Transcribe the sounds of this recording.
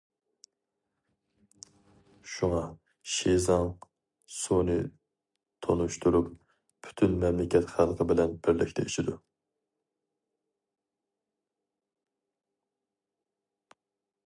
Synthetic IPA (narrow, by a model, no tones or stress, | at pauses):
ʃuŋɑ | ʃezɑŋ | sunɨ | t̪ʰonuʃt̪ʰuɾup | pʰy̥t̪ʰynmɛmlɪkʲʰɛt̪χælqʰəbɪlɛnbɪɾlɪkʲt̪ʰɛiʃid̪u